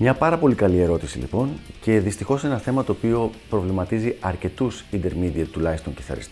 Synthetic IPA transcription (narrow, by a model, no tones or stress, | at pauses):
mɲɐpɐɾɐpo̞likɐlie̞ɾo̞t̪isḭlḭpo̞nce̞ðist̪ixo̞se̞nɐθe̞mɐt̪o̞ːpio̞pɾo̞vlimɐt̪iziɐɾce̞t̪usind̪e̞ɾmid̪iɐt̪ːulɐist̪oɲciθɐ̰ɾḭst̪